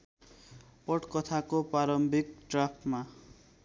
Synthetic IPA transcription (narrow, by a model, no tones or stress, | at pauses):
pʌʈkʌt̪ʰakopaɾʌmbʱikʈrapʰma